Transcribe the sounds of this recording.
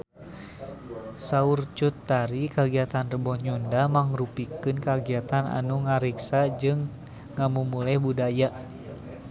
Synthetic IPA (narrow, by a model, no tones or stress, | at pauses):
saurt͡ʃut̪ːaɾikaɡiat̪anrəbɔhɲundamaŋrupikɨnkaɡiat̪ana̰nuŋaɾiksad͡ʒɨŋː | amumulɛhbudaja